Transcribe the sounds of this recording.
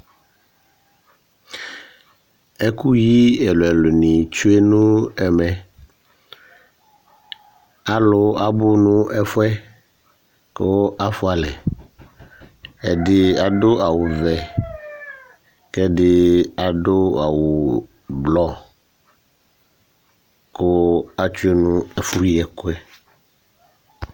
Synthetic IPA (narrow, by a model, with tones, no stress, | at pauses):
ɛ˦ku˦ji˦ɛ˨lʊ˨ɛ˨lʊ˨nĩ˨t͡ʃu˦e˦nũ˦ɛ˨mɛ˨ | a˦lʊ˦a˨bʊ˦nʊ̃˦ʔɛ˦fʊ˦ɛ˦ | ko˦a˦fʊ˦a˨lɛ˨ | ɛ˨dɪ˦a˨do˦ʔa˨wu˨vɛ˨ | kɛ˦ɖɪ˦a˨ɖo˦a˨wo˨ | blɔ˦ | ko˦a˦t͡ʃu˦e˦nũ˦ɛ˨fu˦jɛ˨ko˦ɛ˦